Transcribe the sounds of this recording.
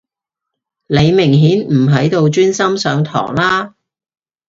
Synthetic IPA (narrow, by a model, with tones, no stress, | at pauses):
le˨˧jmɪ˨˩ŋɦiː˨˥nm̩˨˩ɦɐ˨˥jt̪o˧wt͡ʃyː˥nsɐ˥msœː˨˧ŋt̪ʰɔ̰ː˨˩ŋlaː˥